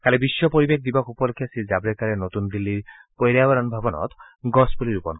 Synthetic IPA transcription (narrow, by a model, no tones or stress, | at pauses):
kalebisːɔpɔɾibek̚d̪ibakupɔlekʰːjasizabɾekaɾenot̪und̪ilːiɾ | pojɾabaɾɔnubʱabɔnɔ̰t̪ | ɡɔsbuliɾupɔnk